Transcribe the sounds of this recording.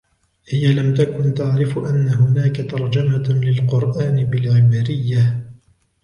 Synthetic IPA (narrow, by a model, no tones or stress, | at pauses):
hɪjalamt̪akʊnt̪aʕɾɪfʔanːaɦʊnaːkat̪ɑɾˤd͡ʒamalɪlqʊɾˤʔaːnɪbɪlʕɪbɾɪjːa